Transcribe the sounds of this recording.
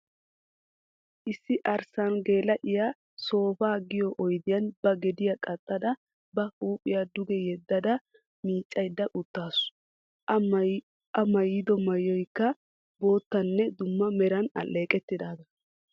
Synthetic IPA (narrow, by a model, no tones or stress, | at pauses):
ʔɪsːɪʔɐɾsɐnɡe̞ːlɐʔɪja | so̞ːfaːɡɪjɔʔɔjd̪ɪjɐnbɐɡɛd̪ɪjɐkʼɐt̪ʼːɐd̪ɐ | bɐuːpʼɪjad̪ʊɡɛjɛd̪ːɐd̪ɐ | miːt͡ʃʼːɐjd̪ːɐʔʊt̪ːaːsʊ̥ | ɐmɐjːɪd̪ɔmɐjːɔjkːɐ | bo̞ːt̪ːɐnːɛd̪ʊmːɐmɛɾɐnɐ̰lːe̞ːkʼɛt̪ːɪd̪aːd̪ɐ